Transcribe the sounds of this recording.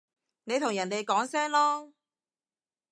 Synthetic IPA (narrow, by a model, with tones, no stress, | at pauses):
ne˨˧jt̪ʰʊ˨˩ŋjɐ˨˩nt̪e˨jkɔː˨˥ŋsɛː˥ŋlɔː˥